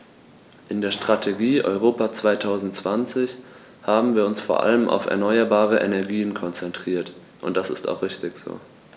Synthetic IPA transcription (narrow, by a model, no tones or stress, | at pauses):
ʔɪndeːɐʃtʁ̥atʰeɡiːʔɔ̰ʏʁoːpat͡sv̥aɪtʰaʊzn̩tt͡sv̥ant͡sɪç | haːbm̩viːɐʊnsfoːɐʔa̰ləmʔa̰ʊfɛ̰ɐnɔʏɐbaːʁəʔɛnɛɐɡiːənkʰɔnt͡sɛntʁ̥iːɐt | ʔʊnt̚d̥asɪsta̰ʊxʁ̥ɪçtɪçz̥o̰ː